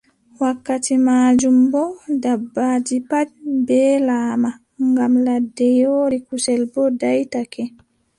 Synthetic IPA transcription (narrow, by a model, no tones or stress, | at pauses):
wakːatimaːd͡ʒumbɔdabːaːd͡ʒipad͡ʒbɛːlaːma | ŋɡamladːɛjoːɾikusɛlbɔdajtakɛ